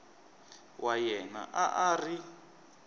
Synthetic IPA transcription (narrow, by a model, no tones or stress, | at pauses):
wʔajɛna̰ʔaʔari